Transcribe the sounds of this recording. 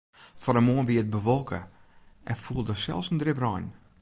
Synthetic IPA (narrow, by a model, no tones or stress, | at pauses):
fɔɾəmoənʋiət̚bəʋɔlˠkʰə̰ | ʔɛnfulˠdəsɛ̰lˠfsəndrɪbrɔjn